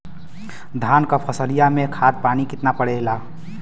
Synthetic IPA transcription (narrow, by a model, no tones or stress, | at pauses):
d̪ʱankəpʰəsəlijamekʰad̪̚panikit̪napəɽɛla